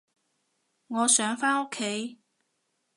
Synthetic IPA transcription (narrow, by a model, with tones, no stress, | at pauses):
ŋɔː˨˧sœː˨˥ŋfaː˥no˥kʰːe˨˥j